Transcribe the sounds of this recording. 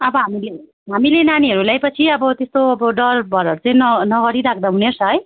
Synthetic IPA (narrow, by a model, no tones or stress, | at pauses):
ʌbʌɦamile | ɦamilenaniɦʌɾulajpʌt͡sʰiʌbʌt̪est̪oʌbʌɖʌrbʱʌɾʌɾut͡sʌĩnʌnʌɡʌɾiɾakʰd̪aɦunert͡sʰʌɦʌj